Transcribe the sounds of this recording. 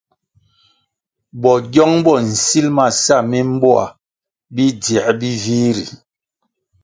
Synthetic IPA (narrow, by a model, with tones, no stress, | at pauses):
bɔ˨ɟɔ˦ŋbɔ˦˨n̩˨si˦lma˨sa˦˨mi˦m̩˦bɔ˦a̰˨ | bi˦dɛ˨ʔbi˦vi˦ɾḭ˨